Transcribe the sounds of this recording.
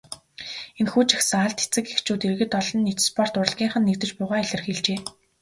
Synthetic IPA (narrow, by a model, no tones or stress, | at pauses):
enxuːt͡ɕḁxsə̆ŋaɮt̪e̥t͡sɘ̆kext͡ɕuːt̪erɣɘ̆t̪ɔɮɞ̆nːit̪spɔr̥t̪ʊrə̆ɮɣʲiːŋχə̆nːekt̪ɘ̆t͡ɕpʊːʁaːiɮɪ̆rxeɮt͡ɕeː